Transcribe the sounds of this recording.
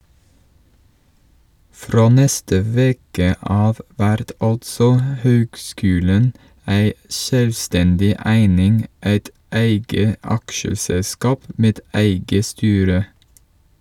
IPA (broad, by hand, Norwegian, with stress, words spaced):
ˈfɾoː ˈnɛstə ˈʋeːkə ˈɑːʋ ˈʋæɾt ˈɑltsɔ ə ˈhøːɡˌskʉːlən ˈæɪ ˈʃøːlʋˌstɛndɪ ˈæɪnɪŋ ˈæɪt ˈæɪɡə ˈɑkʃəsɛlˌskɑːp ˈʔmeːd ˈæɪɡə ˈstyːɾə